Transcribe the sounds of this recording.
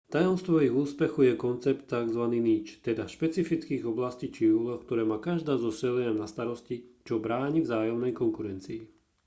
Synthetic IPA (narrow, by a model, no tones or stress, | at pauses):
t̪ajɔmst̪ʋɔiɣuːspɛxujɛkɔnt͡sɛpt̪ːaɡzʋaniːniːt͡ʃt̪ɛd̪aʃpɛt͡sifit͡skiːɣɔblasciːt͡ʃiuːlɔxk̚t̪ɔɾɛːmaːkaʒd̪aːzɔsɛlɛɲamnast̪aɾɔscit͡ʃɔbɾaːɲivzaːjɔmnɛjkɔŋkuɾɛnt͡siː